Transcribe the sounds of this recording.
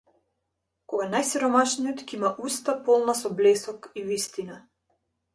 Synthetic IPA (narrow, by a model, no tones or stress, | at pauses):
kɔɡanajsiɾɔmaʃnijɔt̪kʲiimaʔust̪apɔlˠnasɔblɛsɔkivist̪ina